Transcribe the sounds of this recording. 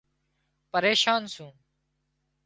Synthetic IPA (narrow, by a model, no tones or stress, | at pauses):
pəɾeːʃaːnsũː